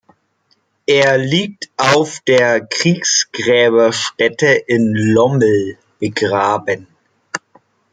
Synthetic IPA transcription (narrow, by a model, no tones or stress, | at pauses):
ʔeːɐliːk̚tʰʔaʊfd̥eːɐkʁ̥iːksɡ̥ʁɛːβɐʃtɛtəʔɪnlɔml̩ | b̥əɡʁaːbən